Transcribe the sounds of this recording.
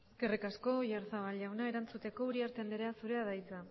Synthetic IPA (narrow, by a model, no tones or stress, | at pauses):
eske̞rikasko̞ʝaɾsaβalʝawnae̞ɾant͡sut̪e̞ko̞uɾiaɾt̪end̪eɾeasuɾe̞aðajt͡sa